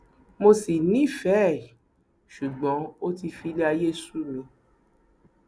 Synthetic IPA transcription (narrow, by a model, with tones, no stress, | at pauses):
mo˧si˨nĩ˦˨fɛ˨˦˨ | ʃu˨ɡ͡bɔ̃˨˦o˦ti˧fi˧le˦a˧je˦su˦˨lõ˨˧